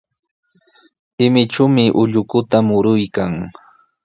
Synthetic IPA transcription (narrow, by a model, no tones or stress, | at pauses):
hɪmɪʈ͡ʂamɪʔʊʎʊkʊt̪amʊɾʊjkaŋ